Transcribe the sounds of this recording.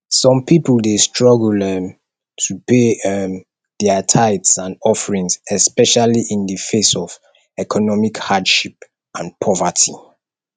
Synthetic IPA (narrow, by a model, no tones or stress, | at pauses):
sɔ̃mpipəldestɹɔɡlɛm | tʰupʰeɛm | dɛətʰaɪtsãnɔfəɹĩŋsɛspɛʃaliʔĩndəfesɔv | ɛkʰɔnɔmikhadʃip̚ | ãnpʰɔvətʰi